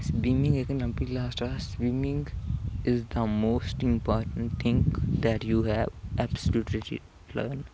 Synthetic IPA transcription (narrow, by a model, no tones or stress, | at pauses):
sbimɪ̃ŋɡekə̃nɐ̃mpilaːsʈaswiːmɪ̃ŋɡɪzd̪əmoːsʈɪ̃mpɔːɾʈə̃ɳʈt̪ʰɪ̃ŋkd̪ɛʈjuːɦɛʋʔɛbsəluːʈɾiʈḭ | lə̰ːn